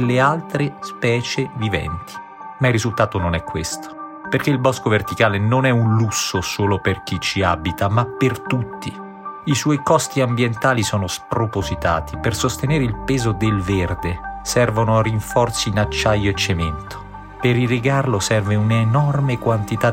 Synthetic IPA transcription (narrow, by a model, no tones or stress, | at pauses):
lːealt̪ɾespɛːt͡ʃevivɛ̰nt̪i̥ | mairːizult̪aːt̪ononɛkːwḛst̪o̥perk̟eilbɔskovert̪ikaːlenonɛunlusːosoːloperk̟it͡ʃːiabit̪amapːert̪ut̪ːi | iswɔjkɔst̪iambjent̪aːlisɔːnospɾopozit̪a̰ːt̪ʰipersost̪eneːɾeilpɛːzod̪elverd̪esɛrvonʊariɱfɔrt̪siːnat͡ʃːajːoet͡ʃːemɛnt̪o̥ | peɾiriɡarlosɛrveunaenɔrmekwant̪it̪a